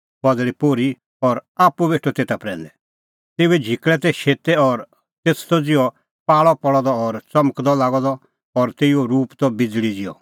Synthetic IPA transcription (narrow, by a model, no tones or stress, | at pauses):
pɐd̪lipoːɾi | ɔɾaːpːubeːʈʰot̪eːt̪apɾɛ̃ːnd̪ɛ | t̪eːuɛd͡ʒʱikɭɛt̪ɛʃeːt̪ɛɔɾ | t̪eːtʰt̪ɔd͡zɪɔ | paːɭɔpɔɭɔd̪ɔːɾt͡sɐməkd̪ɔlaːɡɔd̪ɔ | ɔɾt̪eːioɾuːpt̪ɔbɪd͡zɭid͡zɪɔ̰